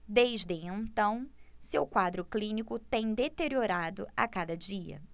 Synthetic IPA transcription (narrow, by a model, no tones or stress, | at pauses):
d̪ejzd̪ɪẽnt̪ɐ̃w̃sewkwad̪ɾʊklĩnikʊt̪ẽj̃d̪et̪eɾioɾad̪ʊ̰a̰kad̪ɐd͡ʒiɐ̰